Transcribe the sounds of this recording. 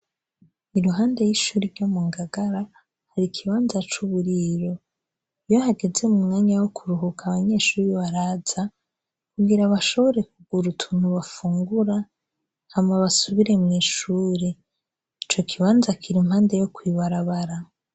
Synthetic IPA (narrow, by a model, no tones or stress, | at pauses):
iɾuɦaːnde̞jiʃuːɾiɾɟo̞muŋɡaɡaɾa | haɾikʰiβaːnzat͡ʃuβuɾiɾo̞ | ijohaɡe̞ze̞mumŋaːɲawokʰuɾuɦukʰaβaɲe̞ːʃuːɾiβaɾaːz̥a | kuɡiɾaβaʃo̞βo̞ɾe̞kuɡuɾutʰun̥uβafuːŋɡuɾa | hamŋaβasuβiɾe̞mŋiːʃuːɾe | it͡ʃo̞kʰiβaːnzakʰiɾim̥haːnde̞jo̞kwiβaɾaβaɾa